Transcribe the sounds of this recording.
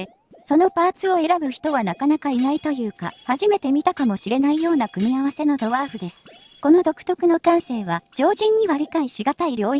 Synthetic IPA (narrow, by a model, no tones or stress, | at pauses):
so̞no̞paːt͡sɨo̞e̞ɾabɯ̟çi̥t̪o̞βanakanakainait̪o̞jɯ̟ːka̰haʑime̞t̪e̞mʲit̪akamo̞ɕiɾe̞naijo̞ːnakɯ̟mʲiaβase̞no̞d̪o̞βaːɸɯ̟d̪e̞sɨ̥ | ko̞no̞d̪o̞kɯ̟̥t̪o̞kɯ̟no̞kãɰ̃se̞ːβad͡ʑo̞ːʑĩɲ̟ːiβaɾʲikaiɕiɡat̪aiɾʲo̞ː